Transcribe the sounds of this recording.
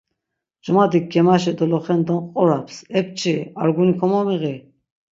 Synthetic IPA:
d͡ʒumad̪ik̚ɡɛmaʃ̬ɛd̪ɔlɔχɛnd̪ɔnqʼɔɾapʰsɛp̚t͡ʃʼʰiaɾɡunikʰɔmɔmiɣi

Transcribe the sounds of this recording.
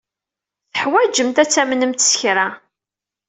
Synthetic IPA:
θəħwæd͡ʒəmt̪æt͡sːæmnəmt̪sə̥çɾa

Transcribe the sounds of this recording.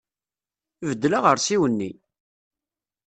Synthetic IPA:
vəd̪ːlaʁəɾsiwənːi

